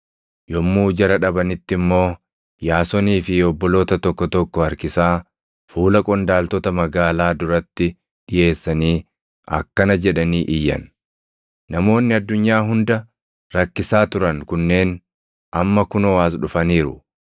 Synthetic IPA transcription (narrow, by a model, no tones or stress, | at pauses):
jɔmːuːd͡ʒɐɾɐᶑɐbɐnɪt̪ːɪmːo̞ː | jaːsɔniːfɪɔbːɔlo̞ːt̪ɐt̪ɔkːɔt̪ɔkːɔɐɾkɪsaː | fuːlɐkʼɔnd̪aːlt̪ɔt̪ɐmɐɡaːlaːd̪ʊɾɐt̪ːɪ | ᶑɪje̞ːsːɐniː | ɐ̰kːɐnɐd͡ʒɛᶑɐniːʔɪjːɐ̰n | nɐmo̞ːnːɪɐd̪ːʊɲːaːɦʊnd̪ɐ | ɾɐkːɪsaːt̪ʊɾɐnkʊnːe̞ːn | ʔɐmːɐkʊnɔwaːs̬ᶑʊfɐniːɾʊ̰